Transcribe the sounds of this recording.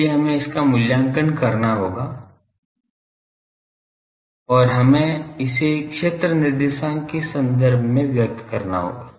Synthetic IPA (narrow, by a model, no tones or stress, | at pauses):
eɦɐmẽɪskamʊljãːŋkənkɐɾnaɦoːɡa | ɔːɾɦɐmẽɪsekʃeːt̪ɾənɪɾd̪eːʃãːkesɐ̃nd̪əɾbʱmẽʋjɐk̚t̪kɐɾna̰ɦo̰ːɡaː